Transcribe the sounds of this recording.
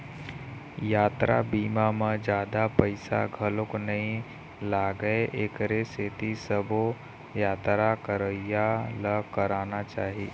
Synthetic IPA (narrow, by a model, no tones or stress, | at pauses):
jaːt̪ɾa̰biːmamə̃d͡ʒjaːd̪apəɪsa̰ɡʱɐlʊknɐɦĩ | laːɡəeʔeːkɾeseːt̪isəbo | jaːt̪ɾakəɾəjaləkəɾaːnat͡ʃaːɦiː